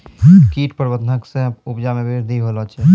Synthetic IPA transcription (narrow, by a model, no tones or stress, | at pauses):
kiʈpəɾbəd̪ʱənəksẽupd͡ʒamebeɾd̪ʱiɦolɔt͡ʃʰɛ